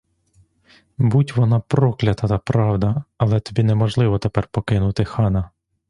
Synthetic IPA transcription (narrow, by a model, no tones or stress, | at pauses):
butʲʋɔnɑpɾɔklʲɐt̪ɐt̪ɐpɾɑwd̪ɐɐlˠɛt̪ɔbʲinɛmɔʒlˠɪʋɔt̪epɛrpɔkɪnʊt̪ɪxɑnɐ